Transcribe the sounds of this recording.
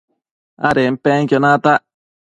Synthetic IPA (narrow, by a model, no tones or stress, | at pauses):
aɾem̩peŋkʲonat̪aʔ